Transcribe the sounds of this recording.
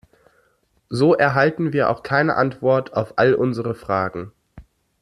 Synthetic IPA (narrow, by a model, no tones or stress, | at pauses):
zoːʔɛɐɦaltn̩viːɐʔa̰ʊxkʰaɪnə̰ʔantv̥ɔɐtʰaʊfʔalʔʊnzəʁəfʁ̥aːɡŋ̩